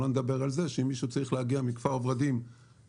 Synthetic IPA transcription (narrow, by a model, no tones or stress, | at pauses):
oned̪abe̞ʁalze̞ʃeimːiʃut͡saʁiχlehaɡiamikfaʁovʁad̪im